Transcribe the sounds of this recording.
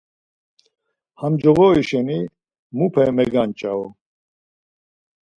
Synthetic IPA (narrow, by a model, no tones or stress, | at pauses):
hamd͡ʒɔɣɔiʃɛni | mupʰɛmɛɡant͡ʃʼaɔ